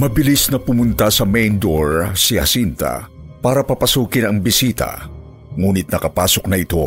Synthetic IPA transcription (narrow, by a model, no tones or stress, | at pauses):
mɐbɪlisnɐpʊmʊnt̪asɐmɛjnd̪oɹsihɐ̰sint̪a̰paːɾɐpɐpɐsuːkɪnɐŋbɪsiːt̪ɐ̰ | ŋuːnɪt̪̚nɐkɐpaːsok̚nɐɪt̪o̞